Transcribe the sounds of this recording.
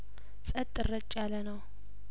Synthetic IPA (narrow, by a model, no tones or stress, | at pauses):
sʼət̪ʼːɨrːət͡ʃʼːjalənəw